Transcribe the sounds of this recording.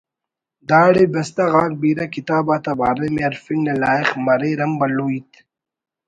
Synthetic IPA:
d̪aːɽebɐst̪aɣaːk̚biːɾɐkit̪aːbaːt̪ɐbaːɾemeɐɾfiŋnelaːixmɐɾeːɾɐmbɐluːit̪ʰ

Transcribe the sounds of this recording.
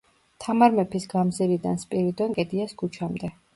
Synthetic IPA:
t̪ʰamaɾmɛpʰisɡamzɛɾid̪anspʼiɾid̪ɔŋkʼɛd̪iasɡut͡ʃʰamd̪ɛ

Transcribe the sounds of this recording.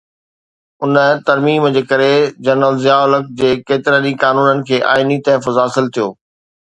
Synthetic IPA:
ʊnət̪ɐɾmiːmd͡ʑeːkɐɾed͡ʑɐɾnəlzɪjaːʊlək̚d͡ʑeːkeːt̪ɪɾənĩkaːnuːnənɪ̆kʰeːʔa̰ːinit̪ɐɦfʊzaːsɪlt̪ʰijoː

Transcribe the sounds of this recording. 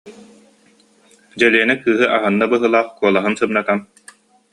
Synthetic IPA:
d͡ʑɛliɛnikɯːɦɯʔaɦɯnːabɯɦɯlˠaːχkuɔlˠaɦɯnsɯmnat̪an

